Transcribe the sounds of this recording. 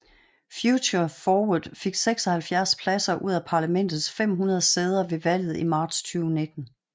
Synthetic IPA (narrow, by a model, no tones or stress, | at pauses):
fjuɕɐfɒːuðˠfe̝ɡ̥seɡ̥sɒ̽hælfjæɐspʰlæsɐʔuð̞̰ˠæpʰɑ̈ːlæmen̰d̥ð̞̩ˠsfem̰ɦunɐð̞ˠseːð̞ˠɐʋe̝ʋæl̰ð̞̩ˠimɑ̈ːd̥st͡sʰyːʊne̝d̥n̩